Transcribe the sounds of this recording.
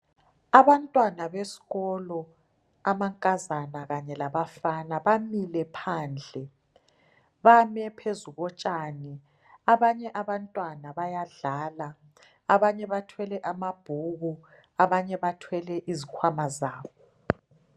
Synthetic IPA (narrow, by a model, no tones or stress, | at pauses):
aβantʼwanaβesi̥ɣɔlɔ | amaŋkʼazanaɣaɲɛlaβafanaβamilɛpʰaːnd͡ɮʱɛ | βamɛpʰezuɣɔt͡ʃʼaːni | aβaɲɛʔaβantʼwanaβajaɮaːlaː | βaɲɛβatʰwɛlɛʔamab̥ʱuɣu | aβaɲɛβatʰwɛlɛʔizikʰwamazaːβɔ